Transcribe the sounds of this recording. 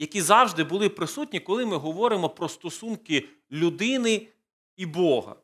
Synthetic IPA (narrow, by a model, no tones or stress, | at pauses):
jɐkʲizɑwʒd̪ɪbʊlˠɪpɾɪsutʲnʲikɔlˠɪmɪɦɔʋɔɾɪmɔpɾɔst̪ɔsunkɪ | lʲʊd̪ɪnɪ | ibɔɦɐ̰